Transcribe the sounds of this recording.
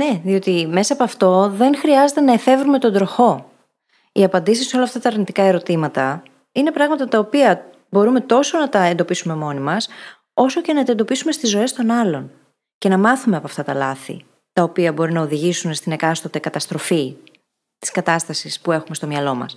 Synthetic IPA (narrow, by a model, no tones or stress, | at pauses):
ne̞ðio̞t̪ime̞sɐːpɐft̪o̞ðe̞nxɾiɐze̞t̪enɐefe̞vɾume̞t̪o̞nd̪ɾo̞xo̞ | iɐpɐnd̪isisːo̞lɐːft̪ɐt̪ɐːɾnit̪ikɐe̞ɾo̞t̪imɐt̪ɐ | ine̞pɾɐɣmɐt̪ɐt̪ɐopiɐ | bo̞ɾume̞t̪o̞sonɐt̪ɐe̞nd̪o̞pisume̞mo̞nimɐs | o̞so̞ce̞nɐt̪ɐed̪o̞pisume̞st̪izːo̞e̞st̪o̞nɐlo̞n | ce̞nɐmɐθume̞ɐpɐft̪ɐt̪ɐlɐθḭ | t̪ɐopiɐbo̞ɾinɐoðiʝisune̞st̪ine̞kɐst̪od̪e̞kɐt̪ɐst̪ɾo̞fi | t̪i̥skɐt̪ɐst̪ɐsispue̞xume̞st̪o̞mɲɐlo̞mɐ̰s